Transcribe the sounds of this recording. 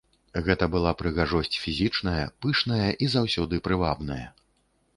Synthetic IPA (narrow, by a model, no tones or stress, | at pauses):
ɣɛt̪ɐbɨlˠapɾɨɣaʐɔsʲt͡sʲfʲizʲit͡ʂnɐjɐpɨʂnɐjɐʔizawsʲɔd̪ɨpɾɨvabnɐjɐ